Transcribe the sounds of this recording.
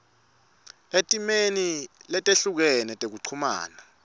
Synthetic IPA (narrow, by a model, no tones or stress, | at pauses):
etʼimenilɛtʼeɬuk̬ɛnɛtʼek̬uǀʰuma̰ːna